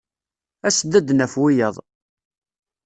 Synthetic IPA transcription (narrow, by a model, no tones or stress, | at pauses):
æsəd̪æd̪næfwijəðˤ